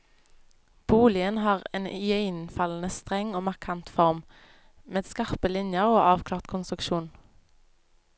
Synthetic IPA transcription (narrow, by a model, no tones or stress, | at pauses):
b̥uːlɪənhɑːʁḛːnjœʏnfɑln̩əst̪ʁɛŋoːmɑʁkʰɑnt̪fɔʁm | meːd̪skɑʁpəlɪnjəʁoːʔɑːʋkʰlɑːʁt̪kʰʊnst̪ʁʉkʃuːn